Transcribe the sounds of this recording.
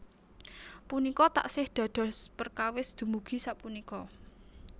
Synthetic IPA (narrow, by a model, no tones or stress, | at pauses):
punikɔt̪a̰ʔsɪhd̪̥ä̤ɖ̪̥ɔ̤spərkawɪsd̪̥ṳmuɡ̥i̤saʔpunikɔ